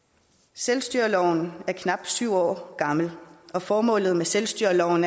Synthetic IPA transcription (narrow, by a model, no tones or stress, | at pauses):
selsd̥yɐ̰lɒʊnæɐkʰnɑ̈b̥̚d̥syʊ̰ɒ̰ːɡ̥ɑ̈ml̩ɒ̽fɒːmɔ̰̽ːlð̩ˠmeselsd̥yɐlɒʊn